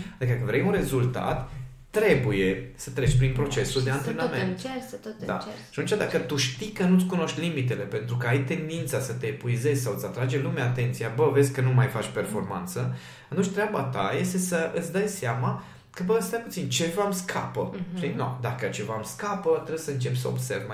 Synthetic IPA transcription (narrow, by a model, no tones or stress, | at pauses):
ad̪ikəd̪akəvɾejunre̞zult̪a̰t̪ː | ɾe̞buje̞sət̪ɾe̞t͡ʃʲpɾinpɾo̞t͡ʃe̞suld̪e̞ant̪ɾɾenəmentd̪a̰at̪unt͡ʃad̪akət̪uʃt̪ikənut̪sʲkuno̞ʃt̪ʲlimit̪̬e̞le̞pe̞nt̪ɾukəajt̪e̞nd̪int̪sasət̪epuize̞zʲsawɨt̪sat̪ɾad͡ʒe̞lumaːt̪e̞nt̪sijabəve̞zʲkənumajfat͡ʃʲpe̞rfo̞rma̰nt̪sə | at̪unt͡ʃʲt̪ɾeabat̪aje̞st̪e̞səʔɨt̪sʲd̪əjseama | kəbəɨt̪st̪ajput̪sint͡ʃe̞vamskʰapəʃt̪inod̪akət͡ʃe̞vamskapət̪ɾebjsəɨnt͡ʃe̞pʲsəo̰bse̞̰rvm